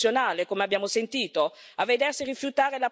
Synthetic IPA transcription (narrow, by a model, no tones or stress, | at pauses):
jonaːlekomeabjaːmosent̪iːt̪o | avːed̪ɛrsirifjut̪aːɾela